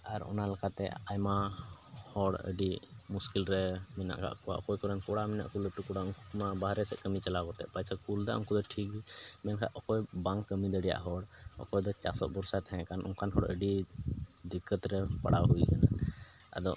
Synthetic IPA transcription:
aɾɔ̰nalakat̪ɛ̰a̰jma | hɔɽə̰ɖimuskilɾɛmɛna̰ʔkʰa̰ʔkɔwa̰ʔɔkɔjkɔɾɛnkɔɽamina̰ʔkuləp̚ʈukɔɽaɔŋumabaɦɾɛsɛʔkəmit͡ʃalakɔt̪ɛ̰ʔpajsakuld̪a̰ʔɔ̰ŋkud̪ɔʈʰikimɛnkʰa̰ʔɔkɔjbaŋkːəmid̪əɖija̰ʔɦɔɽɔ̰kɔjd̪ɔt͡ʃa̰sɔ̰ʔ̚bɔɾsat̪aɦɛ̃ʔkanʔɔ̰ŋkʰanɦɔɽə̰ɖi | d̪ikːət̪ɾɛpa̰ɽawɦuikana̰ | ə̰d̪ɔʔ

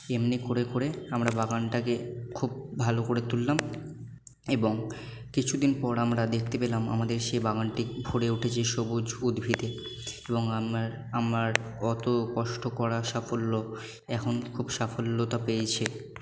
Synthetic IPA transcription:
emnikoɾekoɾeamɾabaɡanʈakekʰubbʱalokoɾet̪ulːam | eboŋ | kit͡ɕʰud̪inpɔɾamɾad̪ek̚ʰt̪epelama̰mad̪eɾʃebaɡanʈibʱoɽeuʈʰet͡ɕʰeʃobud͡ʑud̪bʱid̪e | eboŋaaɾ | amaɾɔt̪okɔʃʈokɔɾaʃafolːo | ɛkʰonkʰubʃafolːot̪apejt͡ɕʰe

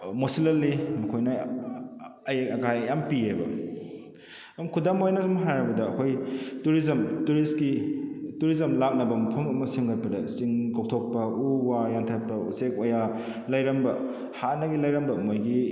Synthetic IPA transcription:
mosilɐlːimɐkʰojnɐ | ɐjɐkʰajjampiebɐ̰ | mkʰudamojnɐsumɦajɾɐbɐdɐːkʰojtuɾizɐmtuɾiskituɾizɐmlak̚nɐbɐmɐpʰɐmɐmɐsiŋɡɐt̚pɐdɐsiŋkok̚tʰok̚pɐuwajaŋtʰat̚pɐṵsek̚oja | lɐjɾɐmbɐ | hanɐɡilɐjɾɐmbɐmojɡi

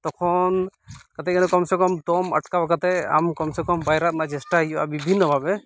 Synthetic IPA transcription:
t̪ɔkʰɔnkat̪ɛk̚ɡɛnɔkɔmsɛkɔmt̪ɔmə̰ʈkabakat̪ɛa̰mkɔmsekɔmbʱajɾat̪̚nad͡ʒɛsʈaɦijuba̰bibʱinːɔbʱabɛ

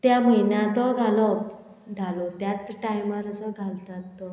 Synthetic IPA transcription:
t̪jam̤əjnjat̪ɔɡʱalɔp | d͡zʱalɔt̪jat̪ʈaimaɾəsɔɡʱalt̪at̪ːɔ

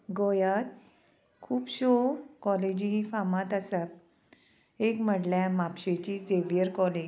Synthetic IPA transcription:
ɡojat̪̚ | kʰuːpɕokɔled͡ʑifamãt̪asa | ekm̤əɽljamapɕet͡ɕiseʋijəɾkɔled͡ʑ

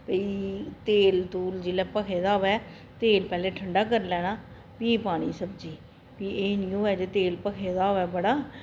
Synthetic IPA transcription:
pəiːt̪eːlt̪uːld͡ʒɪlɛːpəkʰeːd̪aːʋɛː | t̪eːlpɛːleːʈʰəɳɖaːk̬əɾlɛːɽaː | piːpaːɽ̃iːsəbd͡ʒiː | piːʔeːniːõːɛːd͡ʒeːt̪eːlpəkʰeːd̪aːʋɛːbəɽaː

